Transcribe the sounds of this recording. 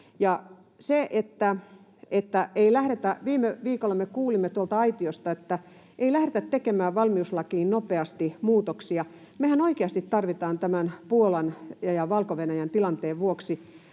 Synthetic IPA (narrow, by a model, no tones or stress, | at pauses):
jɑ | seʔet̪ːæ | et̪ːæeilæhɾet̪æʋiːmːeʋiːkolːɑmekuːlimːet̪uolt̪ɑɑit̪iost̪ɑet̪ːæ | ʔeilæhɾet̪æt̪t̪ːekemæːʋɑlmiuslɑkiːnnopeɑst̪imuːt̪oksiɑ | mehænoikeɑst̪it̪t̪ɑrʋit̪ɑːnt̪æmænpuolɑnjɑjɑʋɑlkoʋenæjænt̪ilɑnt̪eːʋʋuoksi